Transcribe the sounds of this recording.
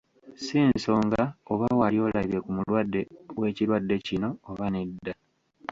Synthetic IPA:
siːnso̞ːŋɡaoβawalio̞ːlaiβe̞kumulwadːe̞we̞ːciɾwadːe̞cino̞ːβanedːa

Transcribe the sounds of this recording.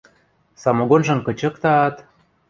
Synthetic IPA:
sɑmoɡonʒɤ̆nkɤ̆t͡ɕɤ̆kt̪ɑːt̪

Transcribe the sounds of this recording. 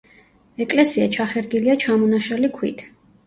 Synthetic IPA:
ɛkʼlɛsiat͡ʃʰaχɛɾɡiliat͡ʃʰamɔnaʃɛlikʰwḭt̪ʰ

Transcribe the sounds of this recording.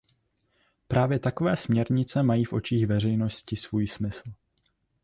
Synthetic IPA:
pɾʔaːvjɛt̪ako̞vɛːsmɲɛɾɲɪt͡sɛmajiːfʔo̞t͡ʃiːxvɛr̝ɛjno̞scɪsvuːjsmɪsl̩

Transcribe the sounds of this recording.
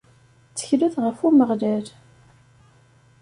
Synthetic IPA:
t͡sːə̥çluθʁəfuməʁlæl

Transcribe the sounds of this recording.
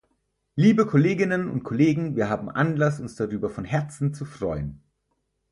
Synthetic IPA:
liːbəkʰoleːɡɪnənʊ̰nt̚kʰoleːɡŋ̩viːɐɦaːbm̩ʔanlasʊnsd̥aʁyːbɐfɔnɦɛɐt͡sn̩t͡sufʁ̥ɔʏən

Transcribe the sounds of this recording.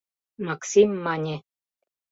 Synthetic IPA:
maksimːanʲe

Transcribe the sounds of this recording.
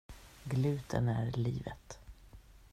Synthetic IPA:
ɡlʉ̟ːt̪ʰənæɾliːvə̰t̪

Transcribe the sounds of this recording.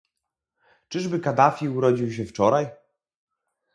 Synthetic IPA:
t͡ʂɘʐbɘkad̪afʲiuɾɔd͡ʑiwɕ̬ɛft͡ʂɔɾaj

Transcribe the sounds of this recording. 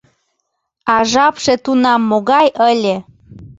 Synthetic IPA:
ɑʒɑpʃet̪unɑmːoɣɑjəlʲe

